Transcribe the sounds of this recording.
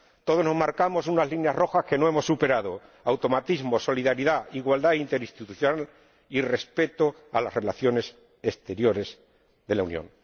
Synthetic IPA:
t̪o̞ð̞o̞no̞zmaɾkamo̞sunazlinjazro̞xaske̞no̞emo̞sːupe̞ɾað̞o̞awt̪o̞mat̪izmo̞so̞liðaɾiðaiɣwald̪aint̪e̞ɾist̪it̪uθjonal | ire̞spe̞t̪o | alasre̞laθjo̞ne̞s | e̞st̪e̞ɾjo̞ɾe̞z | ðe̞launjo̰ŋ

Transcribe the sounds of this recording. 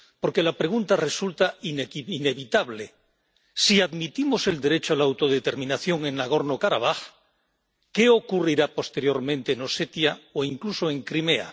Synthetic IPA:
po̞ɾke̞lapɾe̞ɣ̞unt̪are̞sult̪aineiine̞βit̪aβ̞le | siaðmit̪imo̞se̞ld̪e̞ɾe̞t͡ʃoalaawt̪o̞ðet̪e̞ɾmĩnaθjo̞ŋe̞naɣ̞o̞ɾnokaɾaβ̞ax | ke̞o̞kuriɾapo̞st̪e̞ɾjo̞ɾmẽnt̪eːno̞set̪jaoiŋkluso̞e̞ŋkɾime̞a̰

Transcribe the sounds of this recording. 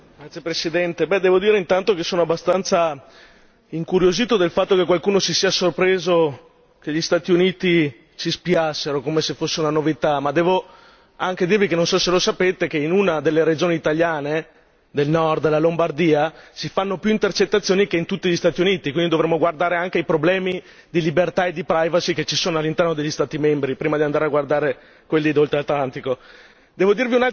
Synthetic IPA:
ɡɾat̪ːjepɾesid̪ɛnt̪ebɛd̪ɛːvod̪iːɾeint̪ant̪okesːoːnoabːast̪ant̪sa | iŋkuɾjoziːt̪od̪elfat̪ːokekwalkuːnosisiasorpɾeːzo | keʎist̪aːt̪iuniːt̪i | t͡ʃispiasːeɾokoːmesefosːeunanovit̪amad̪ɛːvo | aŋk̟ed̪iːrvikenːonsɔselosapeːt̪ekeinunad̪elːeɾed͡ʒoːniːt̪aʎjaːne | d̪elnɔrd̪lalombard̪iːasifanːopjuint̪ert͡ʃet̪ːat̪sːjoːnikeint̪ut̪ːiʎist̪aːt̪iuniːt̪ikwind̪id̪ovɾemːoɡward̪aːɾeaŋkeipɾoblɛːmi | d̪ilibert̪aed̪ipɾajvasiket͡ʃːisoːnoalːint̪ɛrnod̪eʎːist̪aːt̪imɛmbɾipɾiːmad̪iand̪aːɾeaɡward̪aːɾe | kwelːid̪olt̪ɾelat̪lant̪iko | d̪ɛːvod̪irviuna

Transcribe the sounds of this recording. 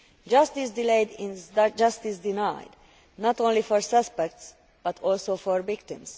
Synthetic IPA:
d͡ʒʌst̪isd̪ileɪd̪ĩnzdd͡ʒʌst̪isd̪inajd̪ | nɔt̪õnlifɔɹsʌspɛk̚t̪s | b̥ʌt̪ʰɔlsofɔɹvɪkt̪ɪ̃ms

